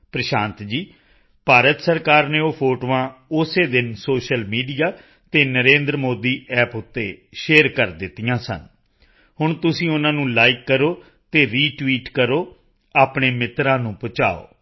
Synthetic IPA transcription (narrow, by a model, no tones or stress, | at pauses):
pɾəʃãːnt̪d͡ʒiː | paːɾət̪səɾkaːɾneːoːpʰoːʈoːãːʊseːd̪ɪnsoːʃəlmiːɖijaː | t̪eːnəɾẽːnd̪ɾmoːd̪iːɛːpʊt̪ːḛːʃeːɾkəɾd̪ɪt̪ːɪjãːsə̰n | ɦʊɳt̪ʊsĩːʊnãːnũːlaːɪkːəɾoː | t̪eːɾiːʈʋiːʈkəɾoː | aːpɳeːmɪt̪ɾãːnũːpʊt͡ʃa̰ːo̰ː